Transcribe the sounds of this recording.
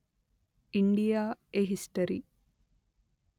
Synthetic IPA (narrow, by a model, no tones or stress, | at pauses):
iɳɖijaeɦisʈɐɾḭ